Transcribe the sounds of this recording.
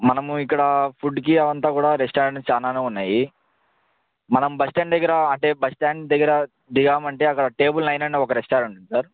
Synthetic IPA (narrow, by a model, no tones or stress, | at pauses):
mɐnɐmuikːɐɽɐpʰuɖkiɐʋɐnt̪aːkuːɽaːɾɛsʈaːɖt͡ʃaːnaːneːunːaːji | mɐnɐmubɐsʈaːɳɖd̪ɐɡːɐɾɐɐɳʈe̞ːbɐsʈaːɳd̪ɐɡːɐɾɐ | d̪iɡaːmɐɳʈe̞ːɐkːɐɽɐʈe̞ːbulnɐjnɐɳeːɔkɐɾɛsʈaːɾuɳʈunisaːɾ